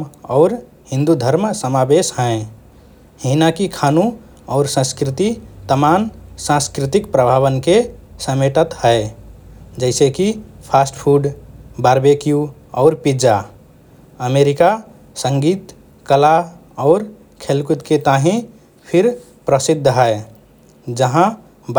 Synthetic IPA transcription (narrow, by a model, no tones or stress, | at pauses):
ɔʊɾ | ɦĩnd̪ud̪ʱəɾmsəmabesɦə̃ẽ | hinakikʰanũ | ɔʊɾsə̃skɾit̪it̪əmansãskɾit̪ikpɾəbʱaβənkesəmeʈət̪həe | d͡ʒəɪsekipʰasʈpʰuɖbaɾbekiju | ɔːɾpid͡ʒa | əmeɾika | sə̃ŋɡiːt̪ | kəla | ɔːɾ | kʰelkut̪ket̪aɦĩ | pʰiɾ | pɾəsid̪ʱːɦəe | d͡ʒəɦã